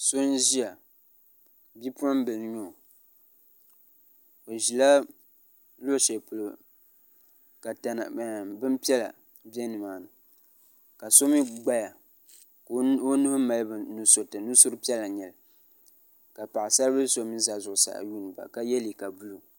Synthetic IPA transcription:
so˦n˦ʒi˦a˨ | bi˦pʊ˦a˦m˦bɨ˨lɲo˦˨ | o˨ʒi˨la˦ | lo˦˨ʃe˨pʊ˨lo˨ | ka˨ta˨na̰˨bɨ˦mpi˦ɛ˦la̰˨ | bi˦ɛ˦nɨ˨maː˨nɨ˨ | ka˨so˦mi˦ɡ͡ba˦ja˨ | o˦nu˦hʊ˦ma˨lbnu˦so˨tɨ˨nu˦sʊ˦ɾɨ˦pi˦ɛ˦la˨ɲɛ˨l | ka˨pa˨ʔɪ˨sa˦lbɨ˦so˨˦mi˦za˨zʊ˨ʔʊ˨sa̰˨ʔju˦˨nɨ˨ba̰˨ka˦jɛ˦li˨ka˨bu˦lu˨

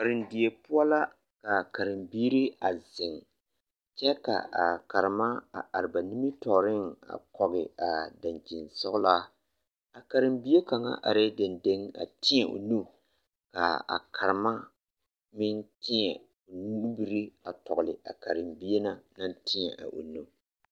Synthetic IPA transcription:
ka˨ɾɪ˨ndi˨e˨pʊ˦a˦la˦ | ka˨ka˨ɾɪ˨mbiː˦ɾi˦a˨zɪ˨ŋ | t͡ʃɛ˦ka̰˨a˨ka˨ɾɪ˨ma˦a˨a˨ɾɪ˨ba˨ni˦mi˦tɔ˨ɾɪ˦ŋa̰˨kɔ˨ɣɪ˨a˨da˨nd͡ʒi˨nsɔ˦ɡʊ˦laː˦ | a˨ka˨ɾɪ˨mbi˦e˦ka˨ŋa̰˦ʔa̰˨ɾɪ˦dɪ˨nde˦ŋa̰˨tʰɪ˦ɲɛ˨ʔo̰˨nu˦˨ | ka˨a̰˨kʰa˨ɾɪ˨ma˦ | mɪ˦n˦tɪ˦ɲɛ˨ | o˨n˦bi˦ɾi˦a˨tɔ˨ɣʊ˨lɪ̰˨ʔa̰˨ka˨ɾɪ˨mbi˦e˦na˦na˦ntʰɪ˦ɲɛ˨ʔa̰˨ʔo̰˨nu˦

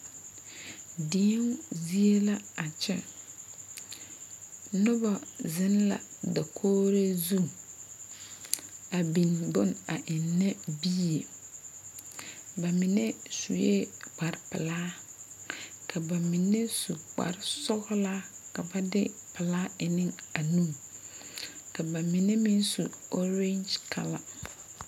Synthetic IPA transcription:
dɪ˦ŋzi˦e˦la˦a˨t͡ʃɛ̰˦ | nʊ˦ba˨zɪ˦nla̰˨da˨kʰoː˦ɾe˦zu˦˨ | a˨bi˨nbʊ˦na˨ʔɪ˨nːɛ˦bi˦e˨ | ba˨mɪ˨nɛ˦su˨jḛ˦k͡pa˨ɾpɪ̰˨laː˦ | ka˨ba˨mɪ˨ne˦su˨k͡pa̰˨ɾsɔ˦ɣlaː˦ | ka˨ba˦dɪ˦pɪ˨laː˦ɪ˨nɪ̃˦ŋa˨nũː˦˨ | ka˨ba˨mɪ˨nɛ˦mɪ˦nsu˨ɔ˦ɾe˦nd͡ʒkʰa̰˨la̰˨

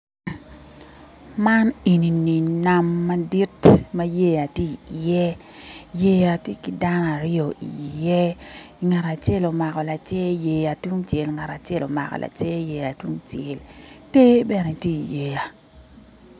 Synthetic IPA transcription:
ma˦ni˨ni˨ni˨na˦mːa˦di˦tmɐ˦je˦a˨tje˦i˨jɛ˦ | je˦ja˨tje˦ki˦da˦nɔ˦˨a˨ɾɪ˦o˨ḭ˨i˨jɛ˦i˨ŋa˨ɾa˨t͡ʃe˦lo˨ma˨kɔ˨la˨t͡ʃe˦je˨a˨tu˦ŋt͡ʃje˨lŋa˨ɾa˨t͡ʃe˦˨lo̰˨ma̰˨kɔ̰˨la̰˨t͡ʃe˦je˨ja˨twu˦ŋt͡ʃe˨lte˦bɛ˦nɛ˨tje˦i˨je˨ja˨

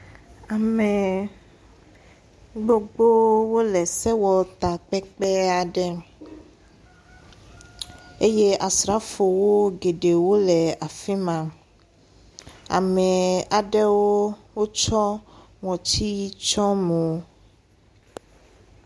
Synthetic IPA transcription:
a˨mɛ˨ | ɡ͡bo˦ɡ͡bo˦wo˦lɛ˨sɛ˦wɔ˨t̪a˨k͡pɛ˦k͡pɛ˦a˨ɖɛ˦ | e˦je˦ʔa˨sɾa˨˦fo˨wo˦ɡe˨ɖe˨wo˦lɛ˨a˨fi˦mã˨ | a̰˨mɛ˨a˨ɖɛ˦wo˦wo˦t͡ʃɔ˦ | ŋɔ̃˨t͡ɕi˦t͡ʃɔ˦me˨o˦

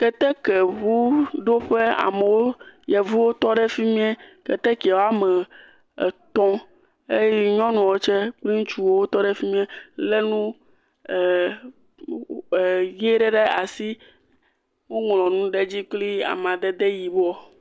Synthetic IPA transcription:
kɛ˦t̪ɛ˦kɛ˨βu˦ɖo˦ɸe˦a̰˨mẽ˨wo˦jɛ˨vu˦wo˦t̪ɔ˦ɖɛ˦fi˦mĩ˦ɛ˦kɛ̰˨t̪ɛ˦kwo˦a˦mɛ˨ | t̪ɔ̃˦ | e˦jɲɔ̃˦nũ˨wo˦t͡ʃɛ˦k͡pli˦ŋũ˦t͡ʃu˦wo˦wo˦t̪ɔ˦ɖɛ˦fi˦mĩ˦ɛ˦le˦nũ˦˨ | je˦ɖɛ˦ɖɛ˦a˨si˦ | wo˦ŋlɔ̃˨nũ˦ɖe˦d͡ʑi˦k͡pli˦a̰˨m˨ã˨d̪ɛ˦d̪e˦ji˨bo˦ɔ˨

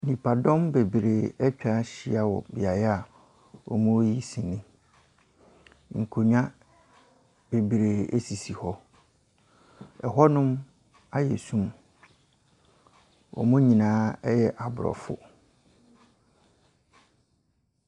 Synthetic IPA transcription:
nĩ˨pʰa˨dɔ̃˦mbe˨bɾe˨ɛ˦t͡ɕᶣa˦ɕi˦˨a˨wɔ̰˨bi˨a˨jɛ˦a˨ | ɔ̰˨mũ˦ji˦sĩ˨nɪ̃˦ | ŋ̩˨kʰo˨ɲᶣ˦ã˦ | b̥e˨bɾe˨ḛ˦si˨si˨hɔ˦ | ɛ˨ɦɔ˦nʊ̃˦m | a˦jɛ̰˨sũ˦m | wɔ̰˨mʊ̃˦ɲĩ˨nãː˦ɛ˦jɛ˦˨ʔa˨bʊ˨ɾɔ̰˨fʊ̰˦

